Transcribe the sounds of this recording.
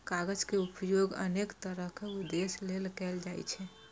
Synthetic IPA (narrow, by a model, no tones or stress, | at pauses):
kaɡəd͡ʒkeupjoɡə̰nekt̪əɾəɦkeʊd̪eslelkɛld͡ʒaːj̰t͡ʃʰɛ